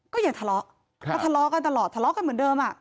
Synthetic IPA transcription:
kɔː˥˩jaː˨˩ŋt̪ʰa˧lɔ˦˥ʔ | a˧˩t̪ʰːlɔ˦˥ka˧nt̪a˧lɔː˨˩t̪ʰːa˧lɔ˦˥ʔka˧nmɯ˩˦ndɤː˧mʔa˨˩ʔ

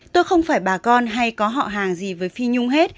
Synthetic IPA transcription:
t̪o˧jxə˧wŋ͡mfaː˧˩jɓaː˨˩kɔ˧nɦa˧jkɔ˨˦ɦɔ̰˧˨ɦaː˨˩ŋzi˨˩vəː˨˦jfi˧ɲʊ˧ŋ͡mɦe˦˥t̚

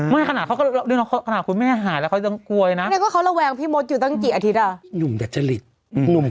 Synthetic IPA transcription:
maː˦˥˩kʰa˧naː˨˩a˦˥wkɔ˥˩˧lnː˧˥˦nɔ˦˥kʰa˦˥˩kʰa˧naː˨˩t̚kʰu˧nmɛː˥˩ɦaː˩˦lɛ˦˥kʰa˦˥t͡ɕa˧ŋku˧əjna˦˥na˧jkɔː˥˩kʰa˦˥wla˧wɛː˧ŋpʰiː˥˩mo˧˦˥t̪̚juː˨˩ɔ˥˩ŋkiː˨˩ʔa˧t̪ʰi˦t̪̚ʔa˨˩ɲu˨˩mda˨˩t̪̚t͡ɕa˧li˨˩t̪̚ | ɲu˨˩m

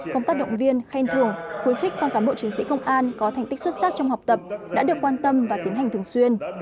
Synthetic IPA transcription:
kə˧wŋ͡mt̪a˦˥k̚ɗə̰˧˨ŋ͡mvi˧ənxa˧jnt̪ʰɨ˨˩əŋxwi˨˦ənxɪ˦˥k̟̚vaː˧˩kaː˧˩mɓo̰˧˨t͡ɕi˨˦ŋ̟sḭ˧˥kə˧wŋ͡mʔaː˧nkɔ˨˦t̪a˨˩ŋ̟t̪i˦˥kswt̚saː˦˥t͡ɕɔ˧wŋ͡mɦa˨˩wk͡p̚t̪ə˨˩p̚ɗa̰ː˧˥ɗɨ˨˩əkwaː˧nt̪ə˧mvaː˨˩t̪i˨˦ənɦa˨˩ŋ̟t̪ʰə˩ŋswi˧ən

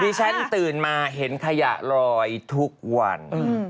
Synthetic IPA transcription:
diː˧t͡ɕʰa˦˥nt̪ɯː˨˩nmaː˧ɦe˩˦nkʰa˧ja̰˨˩ʔɾɔː˧jt̪ʰu˦˥k̚wa̰˧n

